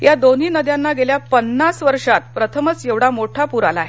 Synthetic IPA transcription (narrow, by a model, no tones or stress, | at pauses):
jad̪oniːnəd̪janːaɡeljapənːasʋəɾʂat̪pɾət̪ʰəmət͡sjeʋɽamoʈʰapuɾala̰ːɦe